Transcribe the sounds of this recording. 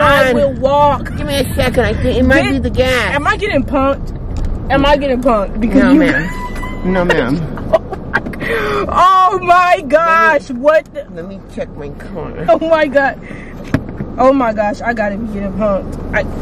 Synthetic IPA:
awɪlˠwɔkɡ̥ɪvmiɨt͡ʃʰɛkɨ̃naɪθɪ̃ɪt̚maɪɪbiðɨɡæsɨ̃maɪɡɛɾɪ̃ŋpʰʌ̃ŋk̚t | ɨ̃maɪɡɛɾɪ̃ŋpʰʌ̃ŋk̚t̚b̥ɨkʰʌojɨmæ̃nnoʊmæ̰̃n | oʊmaɪɡɑʃwʌt̚lɛt̚mit͡ʃʰek̚maɪkʰɔ̰ɹnə̰˞oʊmaɪɡɑʃ | ʔoʊmaɪɡɑʃaɪɡɑɾɨiɡɛɾɪ̃ŋpʰʌ̃ŋk̚tʔaɪ

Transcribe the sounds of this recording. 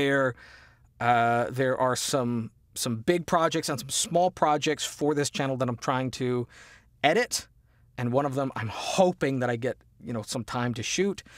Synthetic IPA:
ə˞ | ðə˞ʔə˞sʌ̃m | sʌ̃mbɪɡ̚pʰɹ̥ɑd͡ʒɛk̚tsə̃nsʌ̃m̩smɔlˠpʰɹ̥ɑd͡ʒɛk̚tsfə˞ðɪst͡ʃʰænl̩ˠðəɾãɪ̃mtʰɹ̥aɪɪ̃ŋtʰɨ | ɛɾɪɾ | ɨ̃nwʌ̃ñʌvðə̃mã̰ɪ̃mhoʊpɪ̃ŋðɨɾaɪɡɛt̚jɨnoʊsʌ̃mtʰãɪ̃mtʰɨʃʉt̚

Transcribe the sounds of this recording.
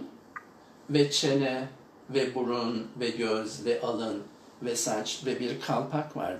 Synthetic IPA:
vɛt͡ʃʰenɛ | vɛbuɾunvɛɟøzvɛʔalˠɯn | vɛsat͡ʃvɛbiɾkʰalˠpʰakva̰ɾ

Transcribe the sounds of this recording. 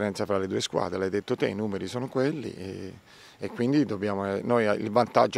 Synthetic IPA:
ɾɛnt̪safɾaled̪uːeskwa̰ːd̪ɾelajd̪et̪ːot̪ḛinuːmeɾisoːnokwelːḭe | ekːwind̪id̪obːjaːmonojaḭlvant̪a̰d͡ʒ

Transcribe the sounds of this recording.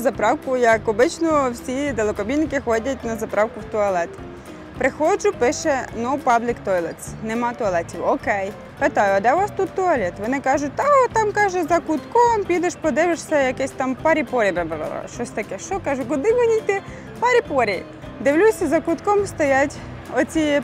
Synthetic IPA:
zɐpɾɑwkʊjɐkɔbɪt͡ʃnɔwsʲid̪elˠɐkɔbʲinːɪkɪxɔdʲɐt̚ʲnɐzɐpɾɑwkʊwt̪ɔɐlˠɛt̪ | pɾɪxɔd͡ʒʊpɪʃɛnɔwpɑblʲɪkt̪ɔjlˠɛt̪snɛmɑt̪ɔɐlˠɛtʲiwɔkɛj | pet̪ɑjʊɐd̪ɛʋɑst̪ut̪ːɔɐlʲɛt̪ʋɔnɪkɑʒʊt̚ʲt̪ɑɔt̪ɑmkɑʒɛzɐkʊt̪kɔmpʲid̪ɛʃpɔd̪ɪʋeʃsʲɐjɐkɛsʲt̪ɑmpɑɾʲipɔɾʲibɛbɾ̰ɾɔ̰ʃt͡ʃɔsʲt̪ɐkɛʃt͡ʃɔkɑʒʊkʊd̪ɪʋɪnʲijt̪ɪ | pɑɾʲipɔɾʲi | d̪ɪwlʲusʲɐzɐkʊt̪kɔmst̪ɔjatʲ | ɔt͡sʲi

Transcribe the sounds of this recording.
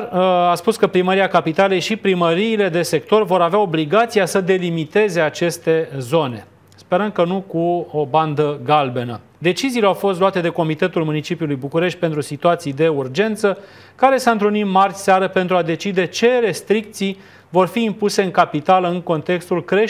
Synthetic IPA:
aspuskəpɾiməɾiakapit̪ale̞jʃipɾiməɾiːle̞d̪e̞se̞k̚t̪o̞rvo̞ɾaveao̞bliɡat̪sijasəd̪e̞limit̪e̞ze̞at͡ʃe̞st̪e̞zo̞ne̞̰ | spe̞ɾəmkənukuoband̪əɡalbe̞nə | d̪e̞t͡ʃiziːleawfo̞st̪loat̪e̞d̪e̞ko̞mit̪e̞t̪ulmunit͡ʃipjulujbukuɾe̞ʃt̪̚ʲpent̪ɾusit̪uat̪sijd̪e̞urd͡ʒe̞nt̪sə | kaɾe̞saɨnt̪ɾunimmarʲseaɾəpe̞nt̪ɾuad̪e̞t͡ʃid̪e̞t͡ʃe̞ɾe̞st̪ɾik̚t̪sij | vo̞rfiːmpuse̞ɨŋkapit̪aləɨŋko̞nt̪e̞kst̪ulkɾe̞

